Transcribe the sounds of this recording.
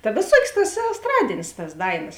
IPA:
tɐ ʋʲeːˈsuɔkʲeːs tɐs ɛsˈtrɑːdʲeːnʲeːs tɐs ˈdɐɪˌnɐs

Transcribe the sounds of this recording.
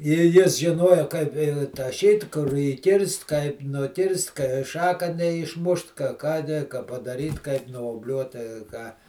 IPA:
ɪ ˈjɪs ʒʲɪˈnoːjoː kɐɪp ɪ tɐˈʃʲiːt kʊr iːˈkʲɪrst kɐɪp nʊˈkʲɪrst kɐɪ ˈʃɑːkɐ nʲɛɪʃˈmʊʃt kɐ kɑː nʲɛ kɐ pɐdɐˈrʲiːt kɐɪp nuɔbʲˈlʲuɔt tɐɪ ˈkɑː

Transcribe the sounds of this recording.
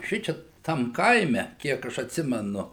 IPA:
ˈʃʲɪt͡ʃʲɛ ˈtɐm ˈkɐɪmʲɛ ˈkʲiɛk ɐʃ ɐtʲˈsʲɪmʲɛnʊ

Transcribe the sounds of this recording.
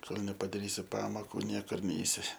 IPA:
ˈkoːlˠ nʲɛpɐdɐˈrʲiːsʲɪ ˈpɑːmoːkʊ ˈnʲiɛkʊr ˈnʲɛɪsʲɪ

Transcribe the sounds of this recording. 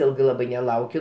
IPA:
ˈɪlˠɡɐɪ ˈlˠɑːbɐɪ nʲɛˈlˠɐʊkʲʊ

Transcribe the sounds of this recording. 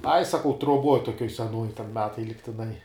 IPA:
ɐɪ sɐˈkɐʊ truɔˈbuɔj toːˈkʲuɔj sʲɛˈnuɔj tʲɛn ˈmʲæːtɐɪ lʲɪktʲɪˈnɐɪ

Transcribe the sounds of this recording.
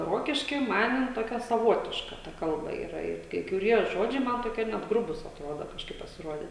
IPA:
ˈroːkʲɪʃʲkʲiː ˈmɐn jɪn ˈtoːkʲɛ sɐˈʋoːtʲɪʃkɐ ˈtɐ ˈkɐlˠbɐ ˈiːrɐ ɪt kɐɪ kʊˈrʲiɛ ˈʒoːd͡ʒʲɛɪ ˈmɐn toːˈkʲiɛ nʲɛt ˈɡrʊbuːs ɐtˈroːdoː kɐʃˈkɐɪp pɐsʲɪˈroːdʲeː

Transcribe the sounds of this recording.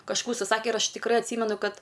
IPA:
kɐʃˈkuː ʊʃʲsʲɪˈsɑːkʲɛ ɪr ˈɐʃ tʲɪkˈrɜ ɐtʲˈsʲiːmʲɛnʊ ˈkɐt

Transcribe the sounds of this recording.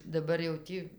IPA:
dɐˈbɐr jɛʊ ˈtʲiː

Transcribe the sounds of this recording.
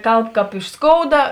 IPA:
ˈkɐlˠp ˈkɑːp ɪʃ ˈskoːʊdɐ

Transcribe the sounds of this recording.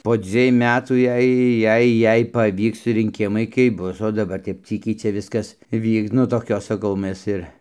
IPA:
poː ˈd͡zʲʋʲiɛj ˈmʲæːtuː ˈjɛɪ ˈjɛɪ ˈjɛɪ pɐˈʋʲiːks rʲɪŋʲˈkʲɪmɐɪ kɐɪp ˈbʊs oː dɐˈbɐr kɐɪp ˈt͡sʲiːkʲɛɪ ˈt͡ʃʲɛ ˈʋʲɪskɐs ˈʋʲiːks nʊ ˈtoːkʲoːs ˈsɑːˈkɐʊ mʲɛs ˈɪr

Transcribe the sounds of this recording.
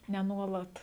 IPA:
nʲɛ ˈnuɔlˠɐt

